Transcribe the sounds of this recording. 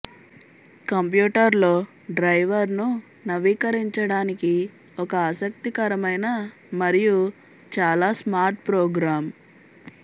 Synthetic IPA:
kɐmpjuːʈɐɾlo̞ː | ɖɾɐjʋɐɾnu | nɐʋiːkɐɾiɲt͡ʃɐɽaːniki | ɔkɐaːsɐk̚t̪ikɐɾɐmɐjnɐ | mɐɾiju | t͡ʃaːlaːsmaːɾʈ̚pɾɔːɡɾaːm

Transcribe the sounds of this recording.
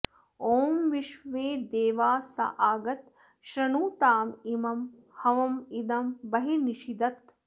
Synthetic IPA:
oːmʋiʃʋeːd̪eːʋaːsɐ̰ʔaːɡɐt̪ | ʃɾɐɳuːt̪aːmimɐm | hɐʋɐmid̪ɐmbɐɦiniʃid̪ɐt̪̚

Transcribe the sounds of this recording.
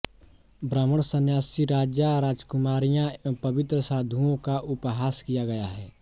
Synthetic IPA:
bɾaːməɽ̃sənjaːsiɾaːd͡ʒjaɾaːd͡ʒkʊmaːɾijãpɐʋɪt̪ɾəsaːd̪ʱuõkaʔʊpɦaːskijaɡɐjaɦɛː

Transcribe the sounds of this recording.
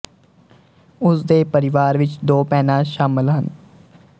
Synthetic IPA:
ʊsd̪eːpəɾɪʋaːɾʋɪt͡ʃd̪oːpɛːnãːʃaːmɪlɦən

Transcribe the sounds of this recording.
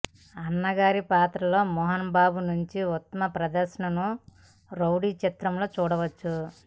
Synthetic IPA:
ɐnːɐɡaːɾipaːt̪ɾɐlo̞ːmɔɦɐnbaːbunuɲt͡ʃiut̪ːɐmɐpɾɐd̪ɐɾʃɐɳɐnu | ɾowɽiːt͡ʃit̪ɾɐmlo̞ːt͡ʃuːɽɐʋɐt͡ʃːu

